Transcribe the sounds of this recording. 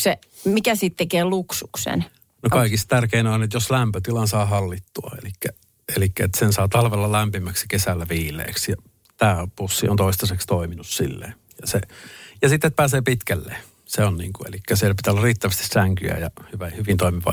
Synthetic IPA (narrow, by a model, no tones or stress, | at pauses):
se | mikæsit̪t̪ekeːluksuksḛn | nokkɑikist̪t̪ærkeinonet̪joslæmpøt̪ilɑnsɑːɦɑlːit̪ːuɑ̰ḛlikːæ | elikːæet̪sensɑːt̪ɑlʋelːɑlæmpimæksi̥kesælːæʋiːlˑḛːksjɑ | t̪æːpusːiont̪oist̪ɑsekst̪oiminussḭlːḛ | jɑsejɑsit̪ːet̪̚pæːseːpit̪kælːḛ | seonniːŋkuḛlikːæsielpit̪æolːɑriːt̪ːæʋæst̪i̥sæŋky̰æ̰jɑhyʋæhyʋint̪oimiʋɑ̰